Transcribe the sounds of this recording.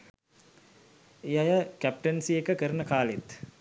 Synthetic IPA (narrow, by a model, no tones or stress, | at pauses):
ejajəkæp̚ʈənsiekəkəɾənəkaːlet̪